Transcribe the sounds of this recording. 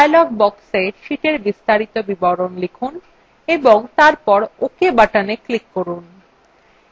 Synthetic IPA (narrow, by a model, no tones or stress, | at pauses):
ajlɔk̚bɔkseʃiʈeɾbist̪aɾit̪obibɔɾonlikʰun | eboŋt̪aɾpɔɾokebaʈaneklikːoɾun